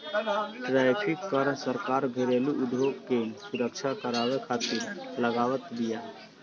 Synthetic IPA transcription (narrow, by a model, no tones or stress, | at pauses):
ʈɾɛːpʰikːəɾsəɾkaːɾbʱeɾeːluʔʊɖʱjoːɡkesʊɾəkt͡ʃʰakəɾaːwekʰaːt̪ɪɾləɡaːwət̪d̪ija